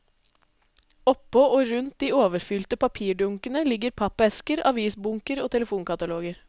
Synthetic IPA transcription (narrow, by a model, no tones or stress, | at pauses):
ɔpːɔoːɾʉnt̪̚d̪iːoːʋəɾfʏlt̪əpɑpʰiːɖʊŋkənəlɪɡəɾpʰɑpɛskəɾɑ̰ʋiːsbʊŋkəɾoːt̪ʰɛləfuːnkɑt̪ɑloːɡəɾ